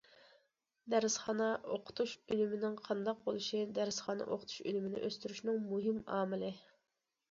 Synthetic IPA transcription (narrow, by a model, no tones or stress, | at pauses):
d̪æɾɪsχɑːnɑʔoqʰʊ̥t̪ʰuʃylymɪnɪŋqʰɑnd̪ɑq̚bolˠuʃid̪æɾɪsχɑːnɑ̰ʔo̰qʰʊt̪ʰu̥ʃy̰lymɪnɪ̰ʔøst̪yɾyʃnɪŋmuɦɪmɑ̰ːmɪlɪ